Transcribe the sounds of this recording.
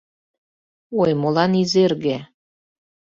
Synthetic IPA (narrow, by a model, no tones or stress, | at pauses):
ojmolɑnizerɣe